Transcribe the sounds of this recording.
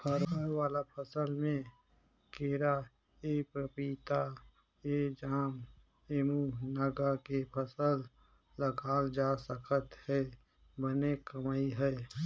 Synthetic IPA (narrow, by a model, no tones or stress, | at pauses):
pʰəɾawaːlapʰəsəlmẽ | keːɾa | eːpɾəpiːt̪a | eːd͡ʒaːm | emunəɡakepʰəsəlː | əɡaːld͡ʒaːsəkʰət̪hɛː | bənekəmaːiɦɛː